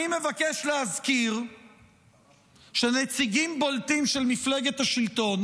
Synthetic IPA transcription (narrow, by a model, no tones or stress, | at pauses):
ime̞vakeʃlehazkiʁ | ʃenet͡siɡimboltimʃelmifleɡet̪haʃilt̪o̞n